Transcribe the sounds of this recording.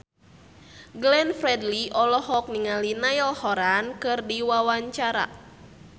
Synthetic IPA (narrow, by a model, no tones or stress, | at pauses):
ɡlɛnfɾɛdliʔɔlɔhɔk̚niŋalinajɔlhɔɾankɨrdiwawaɲt͡ʃaɾa̰